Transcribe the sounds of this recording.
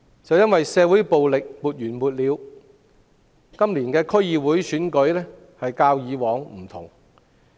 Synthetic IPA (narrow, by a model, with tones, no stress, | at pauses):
t͡sɐ˨wjɐ˥nwɐ˨jsɛː˨˧wu˨˥jpo˨wlɪ˨k̚muː˨t̚jyː˨˩nmuː˨t̚liː˨˧w | kɐ˥mliː˨˩nkɛː˧kʰɵ˥ɥjiː˨˧wuː˨˥jsyː˨˥nkɵ˨˥ɥlɛː˥ | hɐ˨jkaː˧wjiː˨˧wɔː˨˥ŋm̩˨˩t̪ʰʊ̰˨˩ŋ